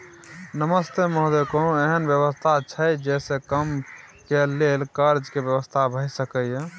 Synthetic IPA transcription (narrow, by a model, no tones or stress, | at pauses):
nəməst̪emoɦd̪ekonoeɦənbjəβəst̪ʰat͡ʃʰəjd͡ʒɛsẽkəm | kelelkəɾd͡ʒkebjəʋəst̪ʰabʱəjsəkəjẽ